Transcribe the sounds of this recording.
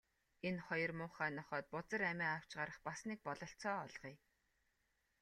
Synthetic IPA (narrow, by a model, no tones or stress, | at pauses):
enχɔjɞ̆rmʊːχæːnɔχɔːt̪̚pʊt͡sə̆ræmʲæːaw̥t͡ɕɢaɾə̆χpasniːk̚pɔɮɞ̆ɬt͡sɔːɔɮʁ̥iː